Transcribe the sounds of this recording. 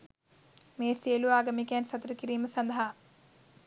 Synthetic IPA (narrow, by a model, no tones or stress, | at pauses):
meːseːluaːɡɐmikeːnsɐt̪ɾɐkiɾiːmɐsɐnd̪ɐɦa